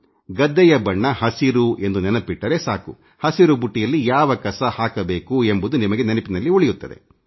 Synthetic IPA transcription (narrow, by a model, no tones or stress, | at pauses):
ɡɐd̪ːɛjɐbɐɳːɐhɐsiɾue̞nd̪unɛnɐpiʈːɐɾe̞saːku | hɐsiɾubuʈːijɐlːijaːʋɐkɐsɐhaːkɐbe̞ːkue̞mbud̪unimɐɡe̞nɐnɐpinɐlːioɭijut̪ːɐd̪e̞̰